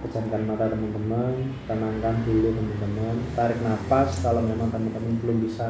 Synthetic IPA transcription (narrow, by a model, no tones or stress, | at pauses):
kə̥d͡ʒ̥a̤nkanmat̪ad̪əmənt̪əmənt̪ənaŋkanbulʊdəmənt̪əmənt̪aɾɪk̚napaskalomemaŋt̪əmənt̪əmənbəlʊŋbisa